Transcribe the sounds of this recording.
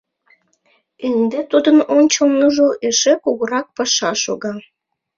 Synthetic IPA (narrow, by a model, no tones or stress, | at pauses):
end̪et̪ud̪ənonʲt͡ɕolnuʒoʔeʃekuɣoɾɑk̚pɑʃɑʃoɣɑ